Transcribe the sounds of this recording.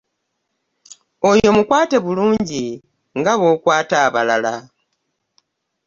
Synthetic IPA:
o̞jo̞mukwaːte̞βuluːɲɟi | ŋɡaβo̞ːkwaːtaːβalala

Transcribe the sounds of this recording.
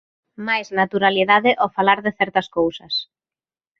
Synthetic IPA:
majznat̪uɾaliðaðɪʔɔfalaɾðɪθɛɾt̪ɐskowsɐs

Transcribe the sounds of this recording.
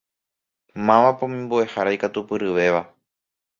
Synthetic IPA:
mãʋãpõmĩmbue̞haɾajkat̪upɨɾɨʋe̞ʋa

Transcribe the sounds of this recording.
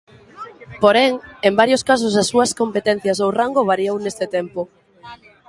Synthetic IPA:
poɾɛŋembaɾjoskas̬ʊs̬asːuɐskompet̪ɛn̟θjɐs̬owraŋɡoβaɾiownest̪et̪ɛmpʊ

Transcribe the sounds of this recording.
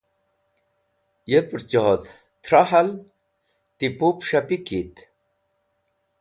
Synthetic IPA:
jepɾt͡ɕot̪ | t̪ʰɾaɦal | t̪ipupɕapikit̪

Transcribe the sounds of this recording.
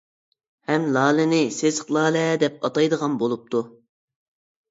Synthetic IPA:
hɛmlˠɑːlɪnɪsezəqlˠɑːlɛd̪ɛp̚ɑt̪ɑjd̪əʁɑnbolˠup̚t̪ʰu

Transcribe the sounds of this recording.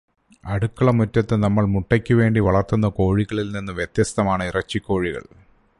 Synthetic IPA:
ɐɽukːɐɭɐmutːɐt̪ːɨnɐmːɐɭmuʈːɐkʲːuʋe̞ːɳɖiʋɐɭɐrt̪unːɐko̞ːɻiɣɐɭilninːɨʋjet̪jɐst̪ɐmaːɳɨirɐt͡ɕːikʲːo̞ːɻiɣɐ̰ɭ

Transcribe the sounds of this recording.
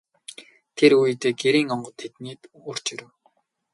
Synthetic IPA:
t̪ʰeɾujt̪eːɡeɾiːŋɔɴɢɞ̆t̪ʰet̪neːt̪ | ʊr̥t͡ɕiɾɘ̆w

